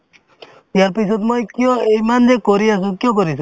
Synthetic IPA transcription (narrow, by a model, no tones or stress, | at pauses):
ijaɾpisɔt̪mojkijɔ̃ejmand͡ʒekoɾiasũkjɔk̬ɔɾisũ